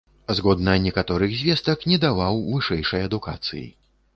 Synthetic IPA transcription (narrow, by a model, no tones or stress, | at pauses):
zɣɔd̪nɐnʲɛkat̪ɔɾɨɣzʲvʲɛst̪ɐknʲɛd̪avawvɨʂɛjʂɐjɐd̪uka̰t̪sɨ̰jḭ